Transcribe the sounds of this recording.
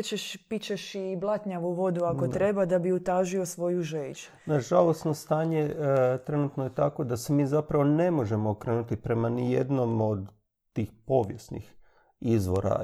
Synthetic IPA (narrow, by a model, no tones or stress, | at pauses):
t͡ʃeʃpit͡ʃeʃiblˠat̪ɲaʋuʋo̞d̪uako̞t̪ɾe̞bad̪abiut̪aːʒiosʋo̞juʒejt͡ʃu̥ | naʒalost̪no̞st̪aːɲe̞t̪ɾe̞nut̪nojet̪ako̞d̪asemiːzapɾaʋo̞ne̞mo̞ʒe̞moːkɾeːnut̪ipɾe̞manijḛd̪no̞mo̞d̪ | t̪ːiːxpo̞ːʋje̞snḭx | izʋo̞̰ɾa̰